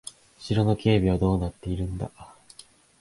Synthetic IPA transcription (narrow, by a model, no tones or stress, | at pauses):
ɕiɾo̞no̞kʲe̞ːbʲiβ̞ad̪o̞ːnat̪ːe̞iɾɯ̟̃nd̪a̰